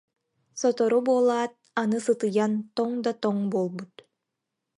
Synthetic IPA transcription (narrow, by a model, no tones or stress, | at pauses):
sɔt̪ɔɾɔbuɔlˠaːt̪̚anɯsɯt̪ɯjant̪ɔŋd̪at̪ɔŋbuːlˠbut̪